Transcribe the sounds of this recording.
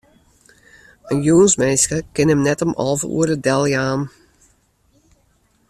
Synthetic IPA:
ənjuːnsmejskəkɪnəmnɛtəmʔɑ̰lˠvəṵəɾədɛlˠjaːm

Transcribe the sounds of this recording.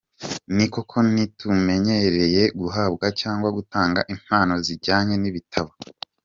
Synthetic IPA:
niko̞kʰo̞nitume̞ɲe̞ɾe̞je̞ɡuɦaːbɡacaːŋɡwaɡutaːŋɡa̰ʔim̥haːno̞ziɾɟaːɲe̞niβitʰaβo

